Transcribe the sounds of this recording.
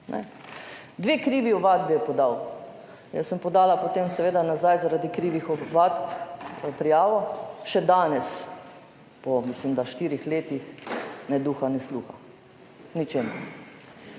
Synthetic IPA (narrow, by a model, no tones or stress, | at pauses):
nʔɛ̰ | d̪ʋeːkɾiːʋiɔʋaːd̪̚bijɛpɔd̪aw | jə̰səmpɔd̪aːlapot̪eːmsɛʋeːd̪anazajzaɾaːd̪ikɾiːʋixɔʋaːt̪ppɾijaːʋɔʃɛd̪aːnɛs | pɔmislimd̪aʃt̪iːɾixleːt̪ixnɛd̪uxanɛsluːxa | nit͡ʃeːmṵɾ